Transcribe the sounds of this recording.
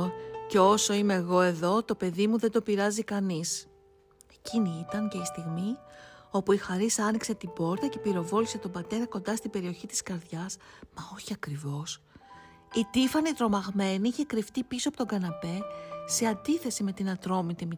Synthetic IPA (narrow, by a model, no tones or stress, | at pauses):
ceo̞so̞ime̞ːɣo̞e̞ðo̞t̪o̞pe̞ðimuðed̪o̞piɾɐzikɐnis | eciniit̪ɐnce̞ist̪iɣmio̞puixɐɾisɐnikse̞t̪ibo̞ɾt̪ɐce̞piɾo̞vo̞lise̞t̪o̞bɐt̪e̞ɾɐko̞nd̪ɐst̪ibe̞ɾio̞çit̪i̥skɐɾðʝɐsmɐo̞çiɐkɾivo̞s | it̪ifɐnit̪ɾo̞mɐɣme̞niiçe̞kɾift̪ipisoɐpot̪oɡɐnɐpe̞se̞ɐnd̪iθe̞sime̞t̪inɐt̪ɾo̞mit̪imi